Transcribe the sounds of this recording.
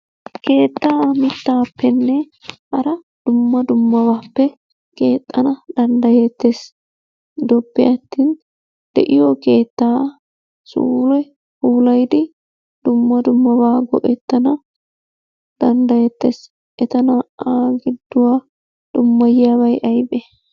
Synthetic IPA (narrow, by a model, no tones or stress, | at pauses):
ke̞ːt̪ːaːmɪt̪ːaːpːɛnːɛ | hɐɾɐ | d̪̥ʊmːɐd̪ʊmːɐbaːpːɛ | ke̞ːt̪ʼːɐnɐd̪̥ɐnd̪ɐjet̪ːeːs | d̪ɔpːɪʔɐt̪ːiːn | d̪̥ɛʔɪjɔke̞ːt̪ːaː | sṵːlɛ | huːlɐjd̪ɪ | d̪̥ʊmːɐd̪ʊmːɐwaːɡɔ̰ʔɛt̪ːɐnɐ | d̪̥ɐnd̪ɐjɛt̪ːes | ʔɛt̪ɐnɐːɡɪd̪ːʊwaː | d̪̥ʊmːɐjɪjaːbɐjʔɐjbɛ